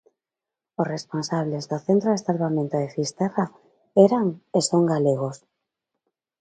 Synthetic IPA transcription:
osresponsaβ̞lezðoθent̪ɾoðesalβamẽnt̪oðefist̪era | eɾaŋesoŋɡaleɣ̞os

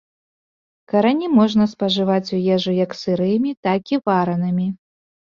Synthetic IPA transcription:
kɐɾanʲimɔʐnɐspɐʐɨvat͡sʲujɛʐɨjɐksɨɾɨjmʲit̪akʲivaɾɐnɨmʲi

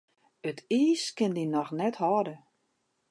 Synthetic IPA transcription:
ətʰiːskɪndinɔxnɛthɔdə

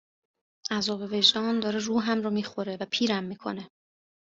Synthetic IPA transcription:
ʔæzɒːbe̞ve̞ʒd̪ɒːnd̪ɒːɾeruːɦæmrɒːmiːxo̞ɾe̞væpʰiːɾæmːiːkʰo̞̰ne̞

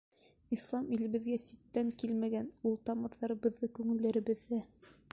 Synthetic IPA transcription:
islˠɑmilɘ̆βɘ̆ðɡæsit̪ːæŋkilmæɡænulˠt̪ɑmɤ̆ɾðɑɾɤ̆βɤ̆ðːɤkʉŋɘ̆lːæɾɘ̆βɘ̆ðːæ

